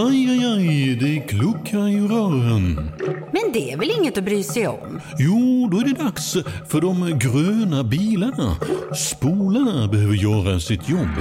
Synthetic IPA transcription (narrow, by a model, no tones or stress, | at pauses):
ajajajd̪ɛæɾkʰlɵkʰːaɪɾœːɾənmɛnd̪ɛæɾvɛlɪŋːət̪ɔbɾyːsɛjɔ̰mjuːd̪ɔæɖɛd̪aksfœɖɔmɡɾøːnabiːləɳaspuːlaɳabɛhøːvəɾjœːɾasɪt̪ʰjɔbː